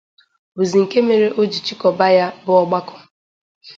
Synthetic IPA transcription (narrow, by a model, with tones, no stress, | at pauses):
bu˨zi˨ŋ̩˨ke˦me˨ɾe˦ʔo˦d͡ʒi˨t͡ʃi˦kɔ˨ba˦ja˦bʊ˦ɔ˦ɡ͡ba˦kɔ̥˦